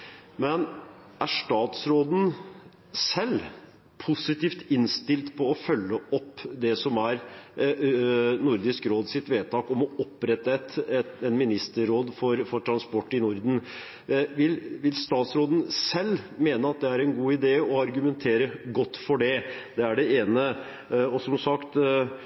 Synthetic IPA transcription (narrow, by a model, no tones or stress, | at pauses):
mɛn | ʔæʂʈɑːt̪sɾoːd̪n̩ | sɛlː | pʰʊsɪt̪iːft̪ɪnst̪ɪlt̪pʰɔɔfœlːəɔpːd̪ɛsɔmæɾ | nʊɾd̪ɪskɾoːd̪sɪt̪ʋeːt̪ʰɑːkɔmɔɔpːɾɛt̪ːəɛt̪ɛnmɪnɪst̪əɾɾoːd̪fɔɾfɔʈʰɾɑnspɔʈːɪnʊɾd̪n̩ | ʋɪlʋɪlst̪ɑːt̪sɾoːd̪n̩sɛlːmeːnəɑt̪̚d̪ɛæɾɛnɡuːɪd̪eːəɔɑɾɡʉmɛnt̪ʰeːɾəɡɔt̪ːfɔɖɛd̪ɛæɖɛeːnə | ɔsɔmsɑkt̪